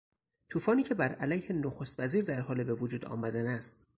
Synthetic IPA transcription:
t̪ʰuːfɒːniːcʰe̞bæɾælæjhenoxost̪væziːɾd̪æɾhɒːlebe̞vod͡ʒuːd̪ɒ̰ːmæd̪ænæst̪

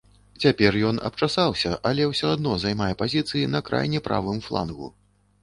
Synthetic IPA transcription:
t͡sʲapʲɛrjɔnɐ̰p̚t͡ʂasawsʲɐʔɐlʲɛwsʲɔad̪nɔzajmajɛpazʲit̪sɨjinɐkɾa̰jnʲɛpɾa̰vɨmflˠa̰nɣṵ

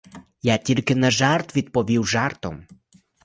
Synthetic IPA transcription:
jatʲilʲkʲɛnaʒart̪vʲit̪̚pɔvʲiwʐart̪ɔ̰m

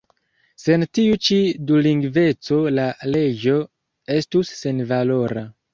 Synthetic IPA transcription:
se̞ntiut͡ʃiduliŋɡve̞t͡so̞lale̞d͡ʒo̞ | e̞stusːe̞nvalo̞ɾa

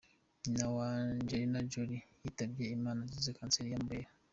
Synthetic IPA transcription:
nawand͡ʒeɾinad͡ʒoɾi | itabiaimanad͡ʒizikanseɾijambeja

